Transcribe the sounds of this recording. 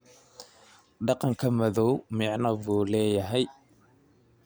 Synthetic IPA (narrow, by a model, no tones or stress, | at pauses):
ɖɑqɑŋkʰɐmɐðɔwmɪʕnɐβuːlɛːjɐɦɛj